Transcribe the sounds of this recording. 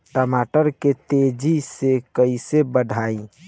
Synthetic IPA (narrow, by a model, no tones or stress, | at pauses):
ʈəmaʈəɾket̪ed͡ʒisekəisebəɖʱaĩ